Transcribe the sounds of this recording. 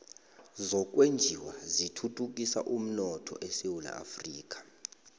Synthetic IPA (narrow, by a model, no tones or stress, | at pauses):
zɔk̬ʼwend͡ʒʱiwazitʰutʰʼuk̬ʼisa̰ʔum̩nɔtʰɔ̰ʔɛsewula̰a̰friːk̬ʼḁ